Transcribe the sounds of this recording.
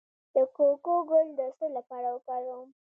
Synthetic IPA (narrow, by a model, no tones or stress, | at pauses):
d̪̥əkokoɡʊld̪əsəlapɑɾawəkɑɾum